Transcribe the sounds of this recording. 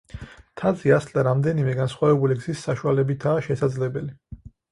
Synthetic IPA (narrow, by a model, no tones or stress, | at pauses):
t̪ʰad̪ziasld̪aɾamd̪ɛnimɛɡansχwavɛbuliɡz̥isːaʃualɛbit̪ʰaːʃɛsad̪zlɛbɛli